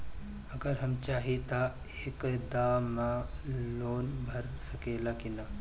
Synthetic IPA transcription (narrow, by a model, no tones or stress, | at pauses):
ɐɡəɾɦɐmt͡ʃaːɦit̪a | eːkd̪aːmãloːnbʱɐɾsɐkeːlakina